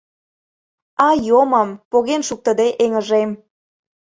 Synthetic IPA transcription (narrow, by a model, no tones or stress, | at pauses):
ɑjomɑmpoɣenʃuk̚t̪əd̪eʔeŋə̆ʒem